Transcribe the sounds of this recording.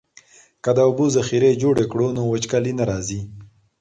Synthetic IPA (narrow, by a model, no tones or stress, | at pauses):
kəd̪aʊbuzaxiɾed͡ʒoɽekɽonowət͡ʃkalinaɾɑzi